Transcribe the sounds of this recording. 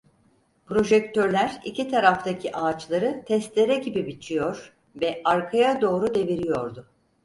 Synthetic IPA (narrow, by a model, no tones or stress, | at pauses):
pɾo̞ʒɛc̚t̪ʰøɾlʲæɾḭcʰit̪ʰaɾaft̪ʰacʰiʔaːt͡ʃlˠaɾɯt̪ʰɛst̪lʲe̞ɾɛɟibibit͡ʃʰijo̞ɾ̥ | vɛaɾkʰajad̪o̞ːɾud̪e̞viɾijo̞ɾd̪ʊ